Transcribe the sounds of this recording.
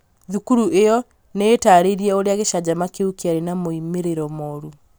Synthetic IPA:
ðukuɾuʔejɔ | neːtaɾeɾiɛoɾeaɣeʃad͡ʑamakeukiaɾenamoimeɾeɾɔmɔɾu

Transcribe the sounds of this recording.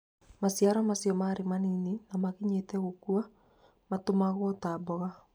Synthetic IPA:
masjaɾamasiɔmaɾemanininamaɣiɲetɛɣokua | matomaɣwɔtaːbɔɣa

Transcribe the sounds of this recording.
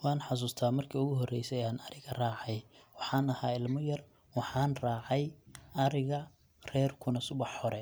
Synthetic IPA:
wɑːnħɑs̬uːst̪ʰaːmɐrkʰiːʊɣʊɦɔrɛjsɛaːnɐɾɪɣɐraːʕɑjwɑħɑːnɐhaːɪlmɔjɐr | wɑħɑːnraːʕɑjɐɾɪɣɐ | rɛːrkʰʊnɐsʊβɑħːɔɾɛ

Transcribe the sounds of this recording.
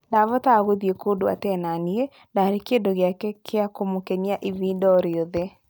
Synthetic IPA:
ndavɔtaɣoðiekondoa̰tɛnanie | ndaɾekendoɣeakɛkʰeakomokɛɲiaʔiviːndɔɾeoðɛ

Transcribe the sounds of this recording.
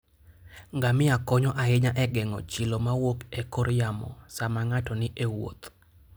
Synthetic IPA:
ŋɡamɪakɔɲɔʔaɪɲaʔɛɡɛŋɔ̰t͡ʃɪlomawokekoɾjamɔ̰samaŋatɔnɪʔewo̰t̪

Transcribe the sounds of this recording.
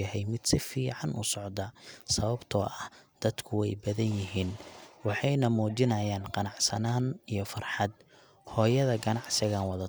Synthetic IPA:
ɐɦɛjmɪd̪sɪfiːʕɑnʊ̰sɔʕd̪ɐsɐβɐbt̪ʰɔ̰ːʔɐhd̪̥ɐd̪kʰʊwɛjbɐðɐnjɪɦiːnwɑħɑjnɐmuːt͡ʃɪnɐjaːnqɑnɑʕsɐnaːnijɞfɐrħɑd̪̚ | hɔːjɐðɐɡɐnɑʕsɪɣaːnwɑðɐ

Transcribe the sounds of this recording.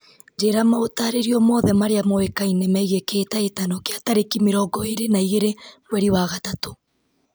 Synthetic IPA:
nd͡ʒeɾamaotaːɾeɾiɔmɔðɛmaɾeamɔwekainemɛiɣekeːtaetanɔkeataɾekimeɾɔːɡɔeɾenaiɣeɾeɣwɛɾiwaɣatato̥

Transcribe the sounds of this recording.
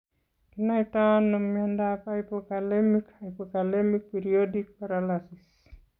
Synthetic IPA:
kinaitanommiandapaipɔkalɛmikaipɔkalɛmik̚piɾiɔdik̚paɾalasis

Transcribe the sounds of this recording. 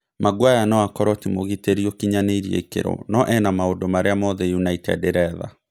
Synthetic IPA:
maɡwajanɔakɔɾɔtimoɣiteɾiɔkiɲaneiɾiḛikḛɾo̰nɔʔɛnamaondomaɾeamɔðɛjunaitɛ̰deɾɛða̰

